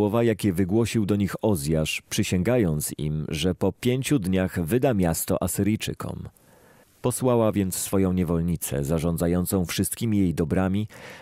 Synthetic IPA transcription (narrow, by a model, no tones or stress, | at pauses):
ɔvajakʲɛvɘɡwɔɕiwd̪ɔɲixɔzʲjaʂpʂɘɕɛŋɡajɔnt̪sḭmʐɛpɔpʲjeɲt͡ɕud̪ɲaɣvɘd̪amʲjast̪ɔ̰ʔasɘɾijt͡ʂɘ̰kʰɔ̰m | pɔswawavʲjɛnt̪sːfɔjɔ̃w̃ɲɛvɔlɲit̪sɛ̰zaʐɔnd̪zajɔnt̪sɔ̃w̃fʂɘst̪̚kʲimʲijejd̪ɔbɾamʲi